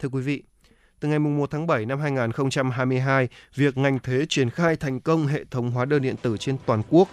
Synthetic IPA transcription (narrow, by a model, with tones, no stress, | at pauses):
t̪ʰɨ˧əkwi˨˦vḭ˧˨ | t̪ɨ˨˩ŋa˨˩jmʊ˨˩ŋ͡mmo˨˩t̚t̪ʰaː˨˦ɓə˧˩jna˧mɦaː˧jŋaː˨˩nxə˧wŋ͡mt͡ɕa˧mɦaː˧jmɨ˧əjɦaː˧jvi˨˩ək̚ŋa˨˩jŋ̟t̪ʰe˨˦t͡ɕwi˧˩ənxaː˧jt̪ʰa˨˩jŋ̟kə˧wŋ͡mɦḛ˧˨t̪ʰə˨˦wŋ͡mɦwaː˨˦ɗəː˧nɗḭ˧˨ənt̪ɨ˧˩t͡ɕe˧nt̪waː˨˩nku˦˥ək̚